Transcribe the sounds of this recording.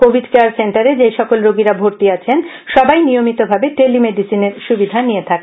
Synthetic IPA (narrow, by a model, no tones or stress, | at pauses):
kobʱiɖkeaɾseɳʈaɾed͡ʑejʃɔkolɾoɡiɾabʱoɾt̪iat͡ɕʰen | ʃɔbajnijomit̪obʱabeʈelimeɖisineɾʃubid̪ʱanijet̪ʰake